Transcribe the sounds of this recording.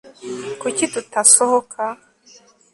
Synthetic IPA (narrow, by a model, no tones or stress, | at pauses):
kucitutasohokʰa